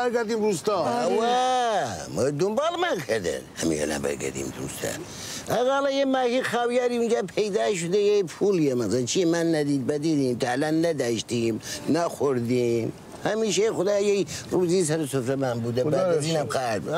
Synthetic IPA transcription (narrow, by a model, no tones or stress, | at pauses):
ɐɾɡɐɾd̪iːmɾust̪awa | məd̪ʊmbɑːlmakʰɐd̪ə̰nhɐ̰mḭʃḛna̰bɐ̰ɾɡɐ̰ɾd̪ḭːmd̪ṵːst̪ʰa̰ | ɐɣaːlajemaːhixaːwjaɾiund͡ʒaːpʰejd̪aːʃ̬ʊd̪ɐjepʰuljemɐzlt͡ʃʰimanːɐd̪iːd̪̚bɐd̪iːd̪iːmt̪ʰalanːɐd̪aːʃt̪imnaxʊɾd̪im | hɐmiːʃexʊd̪aːjejruziːs̬ɐɾsʊfɾɐmaːnbud̪ɐbaɐziːnamqaːd̪b